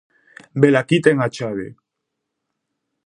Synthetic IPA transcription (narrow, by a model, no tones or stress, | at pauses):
belakit̪eŋat͡ʃaβḛ